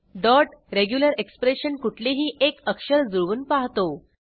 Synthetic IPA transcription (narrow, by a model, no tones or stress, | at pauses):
ɖɔʈɾeɡjuləɾekspɾeɕənkuʈʰleɦiːʔekəkɕəɾd͡zuɭʋuːnpaɦt̪o